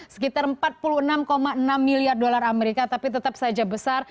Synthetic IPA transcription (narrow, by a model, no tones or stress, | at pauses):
sə̥kit̪arəmpat̪̚puluənamkomaənamːiliardolarameɾikat̪apit̪ət̪ap̚sad͡ʒabəsar